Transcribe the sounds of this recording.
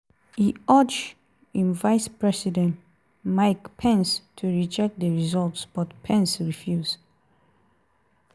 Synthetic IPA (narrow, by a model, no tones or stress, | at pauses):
hiɔd͡ʒ | ĩnvajspɹɛsidɛ̃nt | maɪkpʰɛ̃nstʰuɹid͡ʒɛk̚t̚dəɹizɔltsb̥ɔtpʰɛ̃nsɹifjuz